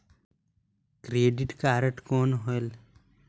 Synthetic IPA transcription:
kɾeːɖiʈkaːɾəʈkoːnɦoel

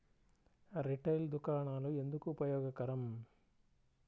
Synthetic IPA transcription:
ɾiʈɐjld̪ukaːɳaːlue̞nd̪ukuːpɐjɔːɡɐkɐɾɐm

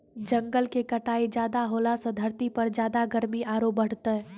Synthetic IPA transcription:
d͡ʒəŋɡəlkekəʈaːid͡ʒjaːd̪aɦolasə̃d̪ʱəɾt̪ipəɾd͡ʒjaːd̪aɡəɾmiʔaːɾop̚bəɽ̤t̪ə

